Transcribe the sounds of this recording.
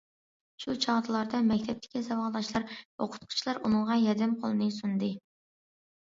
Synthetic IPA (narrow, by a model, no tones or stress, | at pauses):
ʃut͡ʃʰɑʁd̪ʰɨlˠɑɾd̪ɑmɛkʲt̪ʰɛp̚t̪ʰɪ̥kʲizɑwɑʁˠd̪ɑʃlˠɑɾo̰qʰʊ̥t̪qʰʊ̥t͡ʃʰilˠɑɾunɨŋʁɑnjɛd̪ɛmqʰo̰lˠɨnɨsunɨd̪ɨ